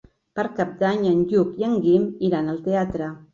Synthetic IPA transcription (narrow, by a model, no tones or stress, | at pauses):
paɾkap̚d̪aɲənʎukjəŋɡimiɾanəlˠt̪eat̪ɾə